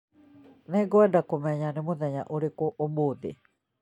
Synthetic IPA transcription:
nɛɡoadakomɛɲanemoðɛɲa̰ʔoɾekoʔomoːðḛ

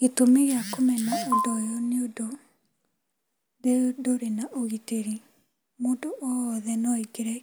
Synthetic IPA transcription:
ɣetomeɣeakomɛnaondɔjoneodo | deodoɾenaʔoɣiteɾi | moːdoʔɔðɛnɔiɡeɾɛ

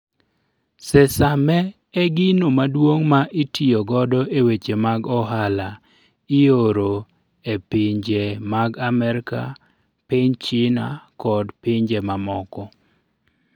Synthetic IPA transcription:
sɛsamɛ | ɛɡɪnomadwoŋmaʔitijoɡɔdɔʔewet͡ʃemaɡɔɦala | ɪoɾo | epɪɲd͡ʒemaɡamɛɾka̰ | pɪɲt͡ʃɪnakɔdpɪɲd͡ʒemamɔkɔ

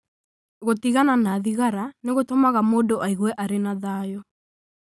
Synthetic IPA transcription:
ɣotiɣananaðiɣaɾaneɣotomaɣamoːdoʔaiɣwɛʔaɾenaðaːjɔ

